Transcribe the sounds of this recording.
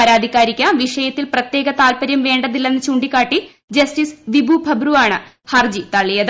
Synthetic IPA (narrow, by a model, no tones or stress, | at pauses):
ɐɾaːd̪ʱikʲːaːɾikʲːaʋiʂɐjɐt̪ːilprɐt̪je̞ːɡɐt̪aːlpɐɾjɐmʋe̞ːɳɖɐðilːenːɨt͡ɕuɳɖikʲːaːʈːi | d͡ʑɐstisʋibʱubʱɐbruaːɳɨ | hɐrd͡ʑit̪ɐɭːijɐð